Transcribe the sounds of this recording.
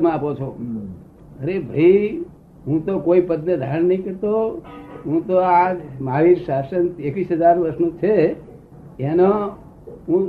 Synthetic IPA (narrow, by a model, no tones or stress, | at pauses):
mãapot͡ʃʰo | əɾebʱəi | ɦũt̪okoipəd̪nəd̪ʱaɾənːəɦĩkəɾt̪oɦũt̪oad͡ʒmaʋiɾsasənekʋisɦəd͡ʒaɾʋəɾsnũt͡ʃʰe | enõ | ɦũ